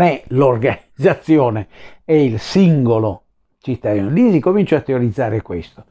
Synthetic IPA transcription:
ɛlorɡanid̪zat̪sːjɔːnɛɛilsiŋɡolo | t͡ʃit̪ːad̪iːnolisikomint͡ʃat̪ːeoɾid̪zːaːɾekwest̪o

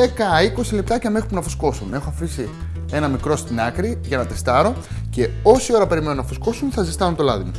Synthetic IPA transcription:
ekɐiko̞silep̚t̪ɐcɐmexɾi̥punɐfu̥sko̞sune̞xoɐfisi | e̞nɐmikɾo̞st̪inɐkɾiʝɐnɐt̪est̪ɐɾo̞ce̞o̞sio̞ɾɐpe̞ɾime̞nunɐfusko̞sunθɐzist̪ɐnot̪o̞lɐðimu

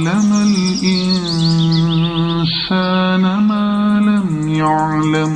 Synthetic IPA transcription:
lamalʔɪnn | saːnamaːlam | jaʕlam

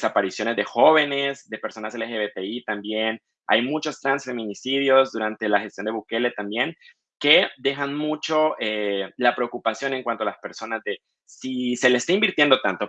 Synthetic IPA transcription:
sapaɾisjo̞ne̞zðe̞xo̞βe̞nezd̪e̞pe̞ɾso̞naselexeβet̪eit̪ambje̞n | a̰jmut͡ʃo̞st̪ɾansfe̞mĩnisiðjo̞zd̪uɾant̪e̞laxest̪jondeβuke̞le̞t̪ambje̞ŋ | ke̞d̪e̞xanmut͡ʃo̞elapɾe̞okupasjo̞ne̞ŋkwant̪oalaspe̞ɾso̞nazðe̞ | sise̞lesest̪aimbiɾt̪je̞nd̪o̞t̪ant̪o̞

